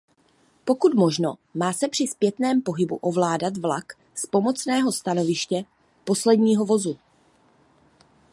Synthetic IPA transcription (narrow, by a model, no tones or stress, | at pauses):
po̞kut̪mo̞ʒno̞maːsɛpr̥ɪspjɛt̪nɛːmpo̞ɦɪbuʔo̞vlaːdat̪vlak | spo̞mo̞t͡snɛːɦo̞st̪ano̞vɪʃcɛ | po̞slɛdɲiːɦo̞vo̞zu